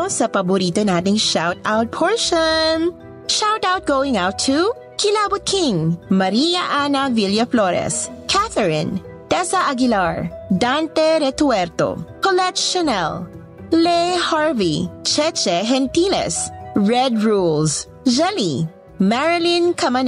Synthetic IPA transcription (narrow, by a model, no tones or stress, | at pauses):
sɐpɐbʊɾiːt̪onaːt̪ɪŋʃawt̪awt̪̚pʰɔɹʃɔn | ʃawt̪awt̪̚ɡ̥owɪ̃ŋaʊt̪ʰːu | kʰɪlaːbʊd̪̚kʰɪ̃ŋmɐɾiːjɐʔanɐviljɐfloɾɛ̰skʰæθɛɹɪ̰̃n | t̪ɛsɐʔɐɡɪlaɹd̪ant̪ɛɾɛt̪wɛɾt̪o̰kɔlɛkʃɔnɛl | lehaɹvit͡ʃɛt͡ʃɛɦɛnt̪ilɛ̰sɹɛd̪ɹuls | d͡ʒɛli | mɛɹɪlĩnkʰɐmɐn